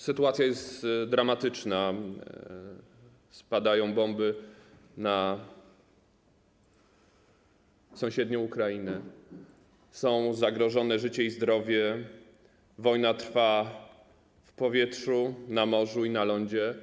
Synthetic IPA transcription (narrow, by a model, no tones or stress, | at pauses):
sɘt̪uat̪sʲjajɛst̪d̪ɾamat̪ɘt͡ʂna | spad̪ajɔ̃w̃bɔmbɘ | na | sɔ̃w̃ɕɛd̪ɲɔ̃ukɾainɛ | sɔ̃w̃zaɡɾɔʐɔnɛʐɘt͡ɕɛizd̪ɾɔvʲjɛ | vɔjnat̪ɾfa | fpɔvʲjɛtʂunamɔʐuinalɔɲd͡ʑɛ